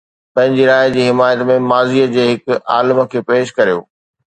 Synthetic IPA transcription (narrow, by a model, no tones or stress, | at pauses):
pɐ̃ɦɪ̃ɲd͡ʑiɾaːɪd͡ʑiːɦɪmaːjət̪mẽmaːziːəd͡ʑeːɦɪkaːlmə̆kʰeːpeːʃkɐɾijo̰ː